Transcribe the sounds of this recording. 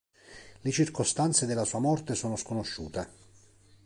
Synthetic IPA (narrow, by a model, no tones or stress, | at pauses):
let͡ʃirkost̪ant̪sed̪elːasuːamɔrt̪esoːnoskonoʃːuːt̪e